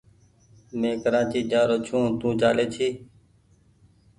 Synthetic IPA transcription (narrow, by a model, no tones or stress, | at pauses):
mẽːkəɾãːt͡ʃiːd͡ʒaːɾoːt͡ʃʰũːt̪ũːd͡ʒaːleːt͡ʃʰiː